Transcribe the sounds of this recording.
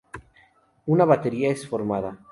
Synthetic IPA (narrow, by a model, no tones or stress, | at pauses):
unaβat̪e̞ɾiaesfoɾmaða